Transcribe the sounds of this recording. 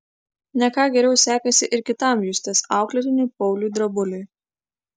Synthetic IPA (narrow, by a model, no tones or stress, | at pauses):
nʲɛkɑːɡʲɛɾʲɛʊsʲæːkɐsʲɪʔɪɾkʲɪt̪ɐˑmjusʲt̪ʲeːsɑˑʊklʲɛt̪ʲɪnʲuːˑpɔʊlʲuːˑd̪ɾɐbʊlʲʊɪ